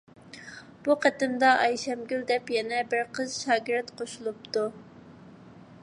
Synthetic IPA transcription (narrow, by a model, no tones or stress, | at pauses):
b̥uqʰæt̪ɪmd̪ɑɑjʃɛmɡʲyld̪ɛpjɛnɛbɪɾqʰəzʃɑːɡʲɪɾt̪qʰoʃulˠup̚t̪u